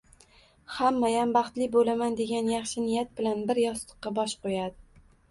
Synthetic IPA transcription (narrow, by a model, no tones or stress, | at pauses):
hamːajambɑχt̪lɪbolamand̪e̞ɡʲanjɑχʃɪnɪjat̪̚bɪlanbɪɾjɒst̪ɨ̥qːɑbɒʃqojad̪ɪ